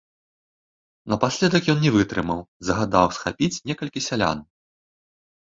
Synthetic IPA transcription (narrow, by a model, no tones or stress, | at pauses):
nɐpasʲlʲɛd̪ɐkjɔnnʲɛvɨt̪ɾɨmɐwzɐɣad̪awsxa̰pʲit͡sʲnʲɛkɐlʲkʲisʲalʲa̰n